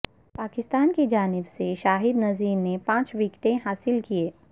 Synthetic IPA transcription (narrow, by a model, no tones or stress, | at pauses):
paːkɪst̪aːnkid͡ʒaːnɪbseʃaːɦɪd̪nɐziːɾnepãːt͡ʃʋɪkʈ̪ẽɦaːsɪlkieː